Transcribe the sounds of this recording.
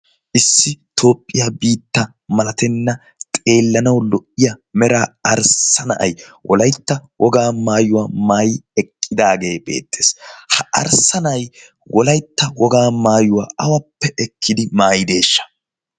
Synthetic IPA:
ʔɪsːɪt̪ʰo̞ːpʼːɪjaːbiːt̪ːɐ | mɐlɐt̪ɛnːɐ | t̪ʼe̞ːlːɐnɐwlɔʔːɪjɐmɛɾaːɐɾsɐnɐʔɐ̰jwʔɔ̰lɐjt̪ːɐwɔɡaːmaːjʊwamaːjɛkʼːɪd̪aːɡe̞ːbe̞̰ːt̪ːeːshɐʔɐ̰ɾsɐnɐɐj | wɔlɐjt̪ːɐwɔɡaːmaːjʊwaːʔɐwɐpːɛʔɛkʰːɪd̪ɪmaːjɪd̪e̞ːʃːɐ̥

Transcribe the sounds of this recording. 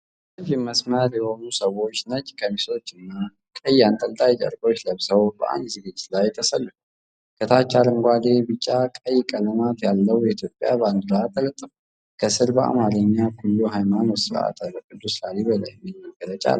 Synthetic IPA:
əd͡ʒɪmːəsməɾjɛho̞nusəwo̞t͡ʃːnət͡ʃʼːkʰəmiso̞t͡ʃːɨnːa | kʼəjːant̪ʼəlt̪ʼajt͡ʃʼə̰ɾɡo̞t͡ʃːləβsəwbə̰ʔa̰nd̪zɨɡɨt͡ʃʼːlajːɛt̪ʰːəsəlːuu | kʰət̪ʰat͡ʃːaɾɨŋɡʷad̪e̞bɨt͡ʃʼːakʼəjːkʼələmat̪jalːəwjɛit̪ʰjo̞pʼːja̰bəand̪ɨɾat̪ʰːələt̪ʼːɨf | kʰəsɨɾbəa̰maɾəɲːakʰulːuɦajmanosɨɾʔa̰t̪lkʼɨd̪ːuslaliβəla̰jmːɪmːəɡəɾət͡ʃʼa̰l

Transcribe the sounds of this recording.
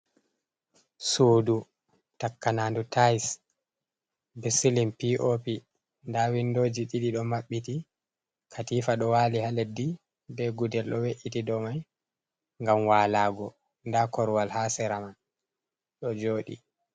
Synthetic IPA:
suːdu | takːanandutajs | bisilimpiʔopi | ndawindod͡ʒiɗiɗiɗɔmaɓːiti | kʰatifaɗɔwaːlihaledːi | bɛɡudɛlɗɔweʔitidɔmaj | ŋɡamwaːlaːɡɔ | ndakɔɾwalhasɛɾaman | ɗɔd͡ʒoːɗḭ

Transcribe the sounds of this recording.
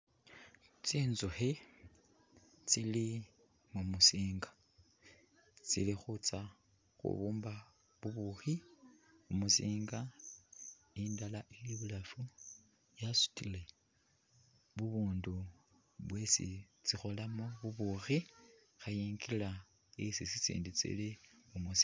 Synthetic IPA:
t͡siːnzuxi | t͡sili | mumusiːŋɡa | t͡sḭlixut͡sa | xṵβuːmba | βuβuxi | umusiːŋɡa | indalaʔiliβulafu | jasu̥tile̞ | βuβuːndu | βwesḭ | t͡sixo̞lamoβuβuxi | xajiːŋɡila | isisisḭːndit͡sḭliumusi

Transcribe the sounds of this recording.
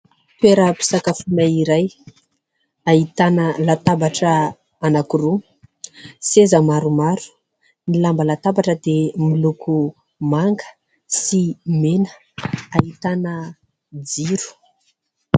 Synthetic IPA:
t̪weɾəpi̥sakafunaiɾaj | ait̪anəlat̪abaʈ͡ʂə | anakuɾu | sezəmaɾumaɾu̥ | nilambəlat̪abaʈ͡ʂəd̪emilukʰu | maŋɡə̥ | simenə̥ | aɦit̪anə | d͡ziɾu̥

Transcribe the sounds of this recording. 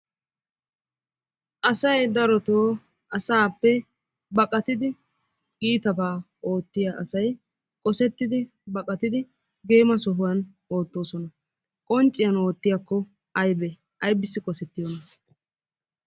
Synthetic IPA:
ʔɐsɐjd̪ɐɾɔt̪oː | ɐsaːpːɛ | bɐkʼɐt̪ɪd̪ɪ | ɡiːt̪ɐbaː | o̞ːt̪ːɪjaːʔɐsɐj | kʼɔsɛt̪ːɪd̪ɪ | bɐkʼɐt̪ɪd̪ɪ | ɡe̞ːmɐsɔɦʊwɐn | o̞ːt̪ːo̞ːsɔnɐ | kʼɔnt͡ʃʼɪjɐno̞ːt̪ːɪjakːɔ | ɐjbɛ | ɐjbɪsːɪkʼɔsɛt̪ːɪjɔnɐ

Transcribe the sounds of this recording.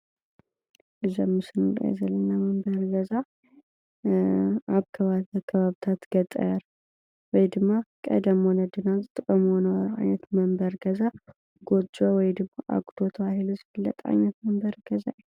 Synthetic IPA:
ʔɨzɐmːɨsɨnɨɾ̰ɛ̰zɐlɐnːamɐmbɐɾɡɐza | aβkʰɐβakʰɐβaβt̪ʰat̪ɡ̥ɐt̪ʼːɐ̰jaɾ | wɔjd̪ɨmːakʼɐ̰d̪ɐmwonɐd̪ɨnazɨt̪ʼɨkʼːɐmwonɐwɾʕa̰jnɐt̪mɐmbɐɾɡɐza | ɡ̥od͡ʒʼowɔjd̪ɨmːaʔa̰ɡʼd̪̥ʰot̪ʰɐβahiluzɨbɨlːɐ̰t̪ʼa̰nːɐt̪mɐmbɐɾɡ̥ɐzaʔj

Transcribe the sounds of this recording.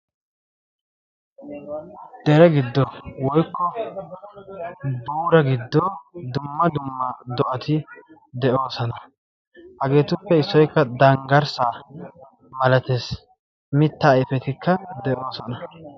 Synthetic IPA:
d̪̥ɛɾɛɡɪd̪ːɔwɔjkʰːɔ | buːɾɐɡɪd̪ːoːd̪ʊmːɐd̪ʊmːɐd̪ɔʔɐt̪ʰɪ | d̪ɛʔo̞ːsɔnɐ | hɐɡe̞ːt̪ʊpːɛɪsːɔjkːɐd̪ɐŋɡɐɾsaː | mɐlɐt̪eːs | mɪt̪ːɐːjɪfɛt̪ɪkʰːɐd̪ɛʔo̞ːsɔnɐ

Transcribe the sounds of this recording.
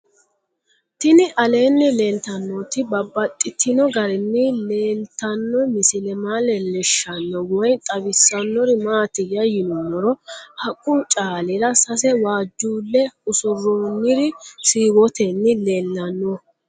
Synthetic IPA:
t̪ɪnɪʔɐleːnːɛleːnt̪ɐnːɔt̪ɪbɐbːɐt̪ʼːɪt̪ʰːɪnɔɡɐɾɛnːɪleːnt̪ːɐnːɔmɪsɪlɛmaːlɛlɛʃːɐnːɔwɔjt̪ʼɐbɪsːɐnːɔɾɪmaːt̪ɪjɐjɪnɔnːɔɾɔhɐkʼːʊt͡ʃʼaːlɪɾɐsɐs̬ɛwaːd͡ʒːuːlːɛʊsʊrːoːnːɪɾɪsiːwɔt̪ɛnːɪleːlːɐnːɔ

